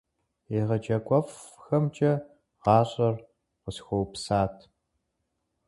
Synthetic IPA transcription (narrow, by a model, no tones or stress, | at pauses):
eːʁɐd͡ʒɐkʷʼɔfxɐmt͡ʃʼɐ | ʁɑːɕʼɐr | qəsxʷowpsaːtʰ